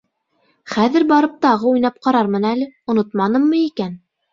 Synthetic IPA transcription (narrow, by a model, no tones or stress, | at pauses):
χæðɘɾbɑɾɤp̚t̪ɑʁɤujnɑp̚qɑɾɑɾmɤnælɘŏnot̪mɑnɤmːɤikæn